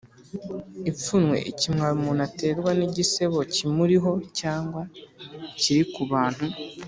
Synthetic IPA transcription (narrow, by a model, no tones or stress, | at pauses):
ip͡funwe̞̰ʔicimŋaɾumunate̞ːɾɡwaniɟise̞βo̞cimuɾiɦo̞caːŋɡwa | ciɾikuβaːn̥hu